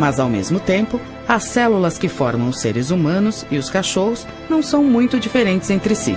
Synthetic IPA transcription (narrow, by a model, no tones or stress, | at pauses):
mazawmḛzmʊt̪ẽmpʊ | ɐsːɛlulɐskɪfɔɾmɐ̃w̃ʊseɾɪzumɐ̃nʊsɪʊskaʃoɦʊz | nɐ̃w̃sɐ̃w̃mũj̃t̪ʊd͡ʒifeɾẽnt͡ʃɪzẽnt̪ɾɪsḭ